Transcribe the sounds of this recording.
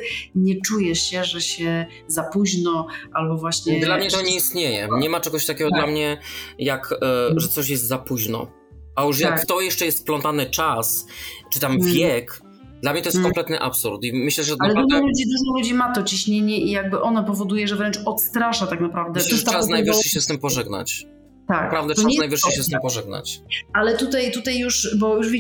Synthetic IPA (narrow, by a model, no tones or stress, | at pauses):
ɲɛt͡ʂujɛɕɛʐɛɕɛ | zapuʑnɔʔalbɔvwaɕɲɛd̪lamɲɛt̪ɔɲɛist̪ɲejɛ̰ɲɛmat͡ʂɛɡɔɕt̪akʲɛɡɔd̪lamɲɛjakʐɛt̪sɔɕ̬jɛst̪zapuʑnɔ̰ | ajuʂ̬jakːt̪ɔjɛʂt͡ʂɛjɛst̪plɔnt̪anɘt͡ʂast͡ʂɨt̪amvʲjɛk | d̪lamɲɛt̪ɔjskɔmtplɛt̪nɘʔapsuɾt̪imɘɕlɛʐɛt̪aknlɛɾɔt̪alud͡ʑid̪uʐɔlud͡ʑimat̪ɔt͡ɕiɕɲeɲɛʔijaɡ̚bɘʔɔnɔpɔvɔd̪ujɛʐɛvɾɛnt͡ʂɔt̪st̪ɾaʂat̪aknapɾavd̪ɛɛasnajvɨʂiɕɛst̪ɘmpɔʐɛɡna̰t͡ɕ | t̪akpɾavd̪ɛanajvɨʂiɕɛst̪ɪmpɔʐɛɡ̚na̰t͡ɕalɛt̪ut̪ajt̪ut̪ajjuʂbɔjuʐvʲi